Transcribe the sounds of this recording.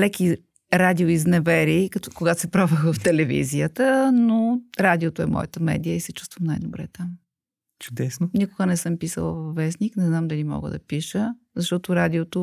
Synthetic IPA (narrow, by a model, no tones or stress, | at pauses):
lɛki | ɾad̪ioiznɛvɛɾikɐt̪koɡat̪o̥sɛpɾavəxvɐft̪ɛlɛvḭziət̪ənoɾad̪iot̪oɛmɔ̰jət̪əmɛ̰d̪ijəisɛt͡ʃu̥st̪vɐmnajd̪obɾɛ̰t̪am | t͡ʃʊ̥d̪ɛsnonikʊɡənɛsəmpisə̰lˠəvvːɛsniknɛznamd̪ɐlimɔ̰ɡə̰d̪ɐpiʃə | zɐʃt̪ɔt̪ʊɾad̪ʲiot̪o